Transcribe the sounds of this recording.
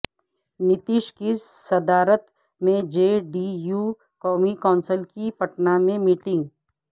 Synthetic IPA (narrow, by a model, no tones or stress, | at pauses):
nɪt̪iʃkisɐd̪aːɾət̪ | mẽd͡ʒeːɖijuː | kɔːmikɔːnsəlkipɐʈnamẽmiːʈɪ̃ŋɡ